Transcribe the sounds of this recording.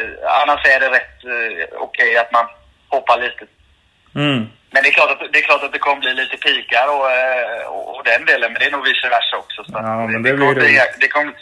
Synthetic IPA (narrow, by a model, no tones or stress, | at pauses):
a̰nːaʂæɖɛɾɛt̪ːɔ̰kʰɛjat̪man | hɔpːaɭiːt̪ə | mɛnd̪ɛklɑːʈat̪d̪ɛːkʰlɑːʈat̪̚d̪ɛkʰɔmːəbliːliːt̪əpʰiːkaɾəɔ | ɔ̰ɔ̰d̪ɛnd̪eːlənmɛnd̪ɛːɳuːɡvɪsəvæʂaɔksɔsɔatd̪ɛkʰɔməid̪ɛkʰɔmːə